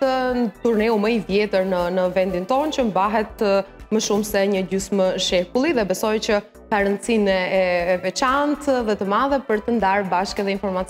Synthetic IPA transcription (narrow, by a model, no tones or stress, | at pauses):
ət̪uɾnɛuməiðjɛt̪əɾnənəvɛnd̪int̪ɔnt͡ɕəmbaɦɛt̪̚məʃumsɛɲəɟysməʃɛkulˠiðɛbɛsɔjt͡ɕə | kaɾənt͡sinɛɛːvɛt͡ʃant̪ðɛt̪əmaðɛpəɾt̪ənd̪aɾbaʃkɛðɛinfɔɾmat͡s